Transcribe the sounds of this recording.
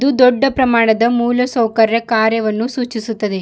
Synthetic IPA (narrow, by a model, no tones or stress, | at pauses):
d̪ud̪ɔɖːɐpɾɐmaːɳɐd̪ɐmuːlɐsɐwkɐɾjɐkaːɾjɐʋɐnːusuːt͡ʃisut̪ːɐd̪e